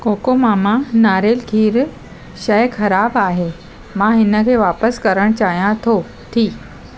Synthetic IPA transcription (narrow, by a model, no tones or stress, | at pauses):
koːkomaːmãnaːɾeːlkʰiːɾ | ʃɐjkʰɐɾaːbaːɦeː | mãɦɪnə̆kʰeːʋaːpəskɐɾəɽ̃t͡ɕaːɦijãt̪ʰo | ʈʰiː